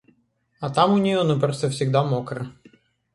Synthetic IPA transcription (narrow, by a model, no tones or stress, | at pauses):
ɐt̪amʊnʲɪjonɨpɾost̪əfsʲɪɡd̪amokɾə